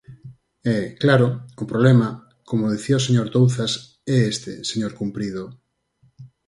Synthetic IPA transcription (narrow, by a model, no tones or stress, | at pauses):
ɛklaɾoʊpɾoβlɛma | komoðiθiaoseɲoɾd̪owθas | ɛest̪ḛseɲoɾkumpɾið̞o